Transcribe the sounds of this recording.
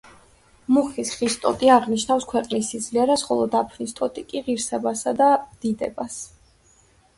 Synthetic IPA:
muχisχist̪ʼɔt̪ʼiaʁniʃnafskʰwɛqʼnisid̪zliɛɾasχɔlˠɔd̪apʰnist̪ʼɔt̪ʼikʼiʁiɾsɛbasad̪ad̪̥id̪ɛ̰bas

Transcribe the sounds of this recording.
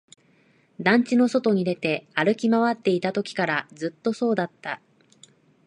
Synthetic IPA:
d̪ãɲ̟t͡ɕino̞so̞t̪o̞ɲ̟id̪e̞t̪e̞aɾɯ̟kʲimaβat̪ːe̞it̪at̪o̞kʲi̥kaɾazɨt̪ːo̞so̞ːd̪at̪ːa

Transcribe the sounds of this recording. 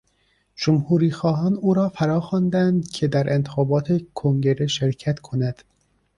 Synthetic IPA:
d͡ʒomhuːɾiːxɒːɦɒːnuːɾɒːfæɾɒːxɒːnd̪ænd̪cʰe̞d̪æɾʔe̞nt̪ʰexɒːbɒːt̪ʰe̞kʰoŋɟe̞ɾe̞ʃe̞ɾcʰæt̪kʰo̞næd̪̥

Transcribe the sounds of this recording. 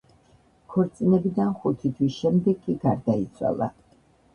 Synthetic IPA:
kʰɔɾt̪sʼinɛbid̪anχut̪ʰit̪ʰwisʃɛmd̪ɛɡːiɡaɾd̪ait̪sʰwa̰lˠa̰

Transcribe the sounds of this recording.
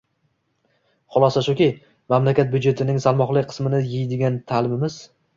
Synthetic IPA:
χʊlˠɒsaʃʊkʲɪ | mamlakʲat̪̚bʊd͡ʒe̞t̪ʰɪnɪŋsalˠmɒχlˠɪkʲqʰɨ̥smɪnɪjɪjd̪ɪɡʲant̪ʰalɪmɪmɪz̥

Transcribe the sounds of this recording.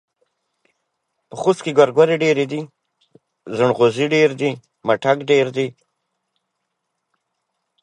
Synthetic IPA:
pəxuskeɡwaɾɡwaɾeɖeɾed̪i | zəɳɣoziɖeɾd̪i | maʈakɖeɾd̪i

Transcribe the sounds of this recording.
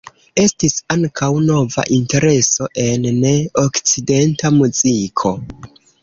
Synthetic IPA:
e̞stisaŋkʰawno̞va̰ʔinte̞ɾe̞so̞ʔe̞nne̞okt͡side̞ntamuzikʰo̞

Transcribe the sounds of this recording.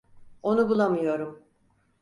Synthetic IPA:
o̞nubulˠamɯjo̞ɾum

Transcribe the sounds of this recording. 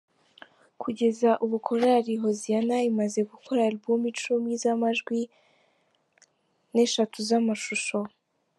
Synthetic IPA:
kʰuɟe̞zaʔuβukʰo̞ɾaɾiɦo̞zijanaimaze̞ɡukʰoɾabɡumit͡ʃumizamaʒɡwi | ne̞ʃatʰuzamaʃuʃo̞

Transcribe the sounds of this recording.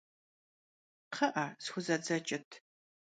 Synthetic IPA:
qɐʔasxʷʊzɐd͡zɐt͡ʃʼɪtʰ

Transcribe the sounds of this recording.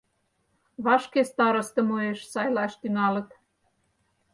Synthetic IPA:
βɑʃkest̪ɑɾɤ̆st̪ɤ̆moeʃsɑjlɑʃt̪ynɑlɤ̆t̪

